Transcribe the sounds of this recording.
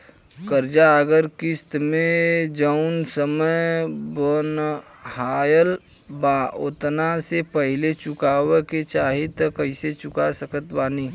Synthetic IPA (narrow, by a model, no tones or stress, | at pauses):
kəɾd͡ʒaəɡəɾkɪst̪mẽd͡ʒəʊnsəməjbənhaːjəl | baʊt̪nasepəɦɪlet͡ʃʊkaːweket͡ʃaːɦit̪əkəɪset͡ʃʊkasəkət̪baːniː